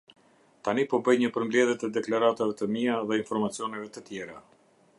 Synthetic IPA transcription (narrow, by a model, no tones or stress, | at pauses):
t̪anipɔbəjɲəpəɾmblɛðjɛt̪ɛd̪ɛklaɾat̪avɛt̪əmiaðɛinfɔɾmat͡siɔnɛvɛt̪ət̪jɛɾa